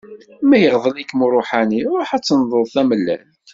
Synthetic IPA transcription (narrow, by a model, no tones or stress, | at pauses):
mæjəʁðˤəlikːmuɾˤoħaniʊɾħat͡sːənðˤəlˤθæməlːæ̰lt̪